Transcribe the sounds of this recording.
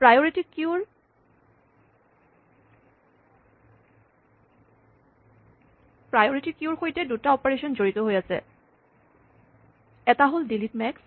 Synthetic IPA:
pɹajoɹitikuɹ | pɹajoɹitikjuɹxojtɛdutaɔpaɹesɔnzoɹitɔɦojasɛ̰ | ɛtaɦoldilitmɛks

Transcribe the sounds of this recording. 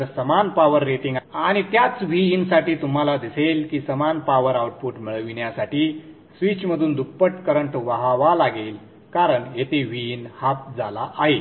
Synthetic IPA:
ɾsəmanpaʋəɾːeʈiŋɡaɽ̃it̪jat͡sʋiːnsaʈiːt̪um̤alad̪iselkiːsəmanpaʋəɾawʈ̚puʈmiɭəʋiɳjasaʈiː | sʋit͡ɕməd̪ʱuːnd̪ʱupːəʈkəɾəɳʈʋaɦaʋalaɡel | kaɾəɳjet̪eʋiːnhap̚d͡zʱalaʔaɦe

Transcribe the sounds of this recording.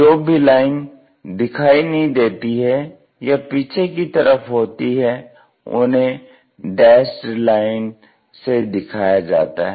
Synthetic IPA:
d͡ʒoːbʱilaːɪn | d̪ɪkʰaːinɐɦĩd̪eːt̪iɦɛ | japiːt͡ʃʰekit̪ɐɾʔəfɦoːt̪iɦɛ | ʊ̰nɦẽ | ɖɛːsʈlaːɪn | sed̪ɪkʰaːjad͡ʒa̰ːt̪a̰ɦɛ

